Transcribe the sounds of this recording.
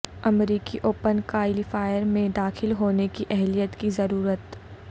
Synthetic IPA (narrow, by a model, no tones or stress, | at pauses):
ɐmɾiːkiʔoːpənkaːɪlifaːɪjəɾmẽd̪aːxɪlɦoːnekiʔɛɦlijət̪kizɐɾuːɾət̪